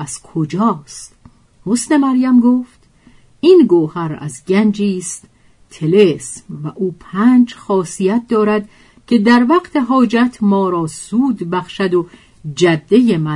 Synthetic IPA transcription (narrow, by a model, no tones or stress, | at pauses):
æz̥kʰod͡ʒɒːst̪ | hosne̞mæɾjæmɡoft̪ | iːnɡoːhæɾæ̰zɟænd͡ʒiːst̪ | t̪ʰe̞lesmvæʔuːpʰæːnd͡ʒxɒːsijæt̪̚ʰd̪ɒːɾæd̪ | cʰe̞d̪æɾvæqt̪ʰeɦɒːd͡ʒæt̪ʰmɒːɾɒːsuːd̪bæχʃæd̪o | d͡ʒæd̪ːe̞jemæ